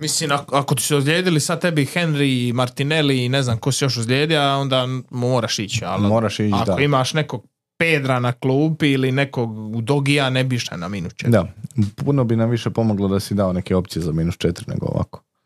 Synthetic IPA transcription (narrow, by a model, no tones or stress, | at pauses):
misliːmakako̞t̪i̥sɛozʎʲe̞ːd̪ilisad̪̚t̪e̞bixe̞nɾiːmaɾt̪ine̞liːneznamkosijo̞ʃozʎʲeːd̪iao̞nd̪aːmoːɾaʃit͡ɕa̰lmoːɾaʃit͡ʃaad̪koimaːʃne̞ko̞ɡ̥̚ | peːd̪ɾanakluːbiline̞koɡud̪oɡijanebiʃa̰naminust͡ʃed̪apunobinamʋiʃepo̞moɡlˠod̪asid̪aonekeo̞p̚t̪ijezamiːnust͡ʃet̪iɾinḛɡo̰o̰ʋa̰ko̥